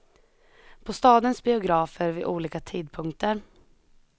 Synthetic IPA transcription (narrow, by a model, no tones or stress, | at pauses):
pʰɔst̪ɑːd̪ənsbɪʊɡɾɑːfəɾvɪʔuːliːkat̪ʰiːd̪̚pʰɵŋkt̪əɾ